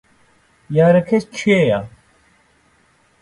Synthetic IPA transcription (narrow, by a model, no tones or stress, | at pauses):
jaːɾɐkʰest͡ɕʰeja